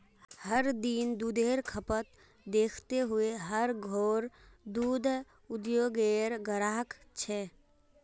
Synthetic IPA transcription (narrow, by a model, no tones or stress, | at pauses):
həɾd̪ind̪uːd̪ʱeːɾkʰəpət̪ | d̪eːkʰt̪eɦʊeɦəɾɡʱoːɾd̪uːd̪ʱ | ʊd̪joːɡeɾɡəɾaːɦəkt͡ʃʰɛ